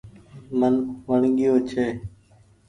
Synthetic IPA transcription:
mənʋəɳɠɪjoːt͡ʃʰeː

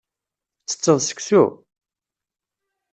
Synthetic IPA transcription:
t͡sːə̥t͡sːəðˤsə̥ksṵ

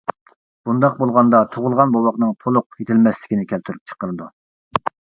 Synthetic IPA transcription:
b̥und̪ɑq̚bolˠʁɑnd̪ɑt̪ʰoʁʊlˠʁɑnbowɑqnɨŋt̪ʰolˠʊqjet̪ʰɪlmɛslɪ̥kʲinɪkʲʰɛlt̪ʰyɾyp̚t͡ʃʰə̥qəɾɨd̪u

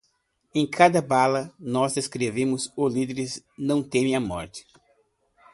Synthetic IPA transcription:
ẽj̃kʰad̪ɐbalɐnɔzd̪eskɾevẽmʊzolid̪eɾɪz | nɐ̃w̃t̪ẽmẽj̃ɐmɔɾt͡ʃ̪ɪ̥

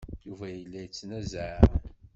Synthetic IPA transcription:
juvæjəlːæjt͡sːnæzʕɾ

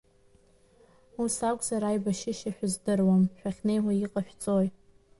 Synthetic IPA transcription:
usakʷʼzaɾajbaʃɪʃaħᶣʊzdɨrwamʃᶣaχʲnejwaiqʼaʃᶣt͡sʼoj

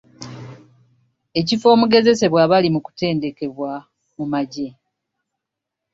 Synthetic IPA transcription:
e̞cifo̞ːmuɡe̞ze̞se̞βwaβalimuku̥te̞ːnde̞ke̞βwa | mumaɟe̞

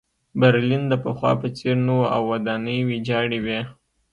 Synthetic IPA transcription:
baɾlind̪əpəxwɑ̰pət͡seɾnowʔa̰wːad̪ɑnəjwid͡ʒɑɽiwje

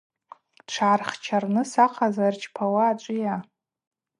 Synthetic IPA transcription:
ʈ͡ʂʰaːrχt͡ʃʰarnɨsaqʰazart͡ʃʰʼpʰawaːt͡ʃʷʼija

